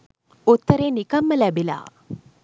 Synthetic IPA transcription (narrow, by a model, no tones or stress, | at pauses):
ut̪ːəɾeːnikɐmːəlæbila̰ː